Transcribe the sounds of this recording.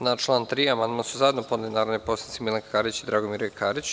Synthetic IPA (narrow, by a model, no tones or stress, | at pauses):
nat͡ʃlˠaːnt̪ɾiamand̪masuzaed̪noponelinaːɾonopo̞sanit̪imilˠaŋkkaɾit͡ɕid̪ɾaɡomiɾokʰaːɾit͡ɕ